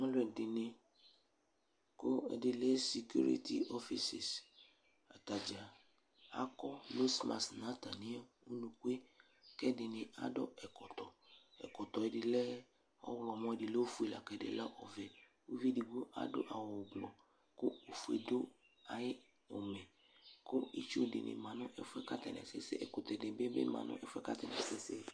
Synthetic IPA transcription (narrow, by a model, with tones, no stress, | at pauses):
ŋɔ̃˦lʊ˦˨ɛ˨dɪ˨nɪ̃˧ | ko˦ɛ̰˨dɪ˧lɛ˦si˨kju˦ɾḭ˦tḭ˦ɔ˦fi˨si˨s | a̰˨ta˨d͡ʒa˨ | a̰˦kɔ˦lo˦sma̰˨snã˨˦ta˨nĩ˦a˦ | u˦nũ˨kʷe˦ | kɛ˦dɪ˨nɪ̃˧a̰˦dɔ̰˦ɛ˨kɔ˨tɔ˨ | ɛ̰˨kɔ˨tɔ˨ɛ˨dɪ˨lɛ˦ | ɔ˦wlɔ˨mɔ̃˦˨dɪ˨lo˦o˦fu˦e˨la̰˨kɛ˨dɪ̰˨la˦ʔɔ˨vɛ˨ | o˦vi˦di˨ɡo˦ʔa̰˨˦dʊ̰˦ʔa˨wɔ˨ɡ͡blɔ˨ | kʊ˦o˨fu˦ḛ˨d̪ʊ˦ | a˨jɪ˦ | o˨mɛ˨ | kʊ˦i˦t͡ʃːdɪ̰˨nʔɪ̰˨mã˨nʊ̃˦ʔɛ˦fɛ˦ka˦t̪ɛ̰˨nɛ̰˨sɪ̰˦sḛ˦ʔɛ̰˨kʊ˨t̪ɛ˨dɪ˨bɪ˦bɪ̰˦mã̰˨nʊ̰˦ʔɛ˨fɛ˦ka˦t̪ɛ˨nɛ̰˨sɪ˦se˦